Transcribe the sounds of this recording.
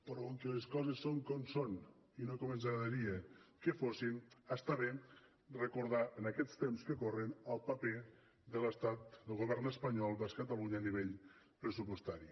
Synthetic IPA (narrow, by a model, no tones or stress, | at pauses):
pəɾɔoŋkəleskɔzəsːoŋkɔmson | inokomənzɾaðəɾiəkəfosinast̪aβe | rəkuɾð̞aənakɛst̪emskəkorənəlˠpape | d̪ələst̪at̪̚d̪əlˠɣoβɛɾnəspəɲɔlˠbaskət̪əluɲaːniβ̞eʎ | pɾəsupost̪aɾi